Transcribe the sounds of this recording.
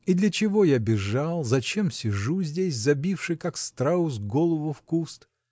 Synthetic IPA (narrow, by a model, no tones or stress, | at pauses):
id̪lʲət͡ɕɪvo̞jabʲɪʐalˠzɐt͡ɕe̞msʲɪʐuzʲdʲes̬ʲzɐbʲifʂɨjkakst̪ɾaʊsɡo̞lˠəvʊfkust̪